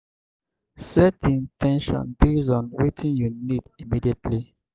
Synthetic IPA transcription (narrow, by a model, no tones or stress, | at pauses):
sɛtĩntʰɛ̃nʃɔ̰̃nbizɔ̃nwetʰĩnjunidimidietʰli